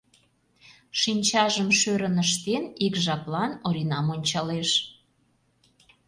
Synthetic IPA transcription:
ʃinʲt͡ɕɑʒəmʃøɾənəʃ̬t̪enikʒɑplɑnoɾinɑmonʲt͡ɕɑleʃ

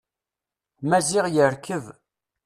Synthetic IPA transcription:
mæziʁjəɾkəv

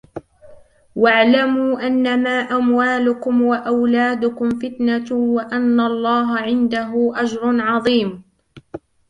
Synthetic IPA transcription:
waʕlamuːʔanːamaːʔamwaːlʊkʊmwaʔawlaːd̪ʊkʊmfɪt̪nawaʔanːalˤːɑːɦaʕɪnd̪aɦʊʔad͡ʒɾˤʊnʕɑðˤiːm

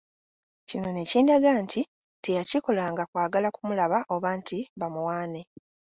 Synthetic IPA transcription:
cino̞ne̞ciːndaɡaːntʰi | te̞jaciko̞laːŋɡakwaːɡalakumulaβaʔoβaːntiβamuwaːne

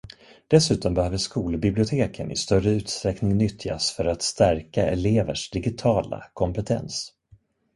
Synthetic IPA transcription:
d̪̥ɛsʉ̟ːt̪ɔmbɛhœːvəʂkuːlbɪblɪʊt̪ʰeːkʰənɪ̰st̪œrəʉ̟ːt̪st̪ɾɛknɪŋnʏt̪ʰːɪa̰sfœɾat̪st̪æɾkaɛleːvəʂd̪ɪɡɪt̪ʰɑːla̰kʰɔmpɛt̪ʰɛ̰ns

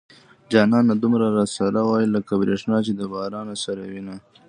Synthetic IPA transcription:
d͡ʒɑːnɑːnad̪umɾaɾasaɾawɑjiləkabɾeʂnɑːt͡ʃed̪əbɑːɾɑːnasaɾawina

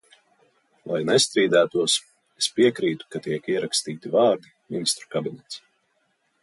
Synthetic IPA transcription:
lˠa̰jnɛst̪ɾiːd̪æːt̪uɔs | espiɛkɾiːt̪u̥kat̪iɛkiɛɾakst̪iːt̪ivɑːɾd̪i | minist̪ɾu̥kabinɛt̪s

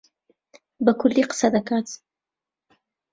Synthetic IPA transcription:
bɐkʰʊlːiqə̥sad̪ɐkaːt̪

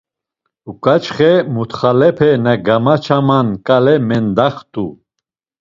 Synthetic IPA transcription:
ukʼat͡ʃχɛmut̪χalɛpʰɛnaɡamat͡ʃʰamankʼalɛmɛnd̪aχt̪ʼu

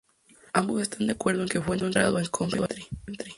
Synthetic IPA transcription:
ambosest̪and̪jakwe̞ɾðoeŋkefwenkont̪ɾa̰ðoeŋkʰompeβat̪ɾint̪ɾi

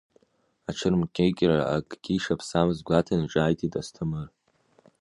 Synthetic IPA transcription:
aʈ͡ʂʰɨrmkʲʼʰejkʲʼraa̰akʼɡʲiʂapʰsamɨzɡʷatʰanɨʈ͡ʂʼaːjtʰʼitʼastʰɨmɨr

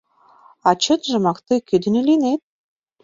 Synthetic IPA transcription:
ɑt͡ɕə̆t̪ʒɤ̆mɑkt̪ɤjkyd̪ɘ̆nɘ̆linet̪̚

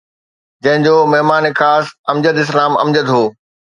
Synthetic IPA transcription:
d͡ʑɐ̃ɦɪ̃ɲd͡ʑoːmɐɦmaːnexaːsɐ̃md͡ʑəd̪ɪs̬laːmɐ̰md͡ʑəd̪ɦoː

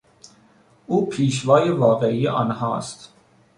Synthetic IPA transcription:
uːpʰiːʃ̬ʋɒːjevɒːɣeijeʔɒ̰ːnhɒ̰ːst̪

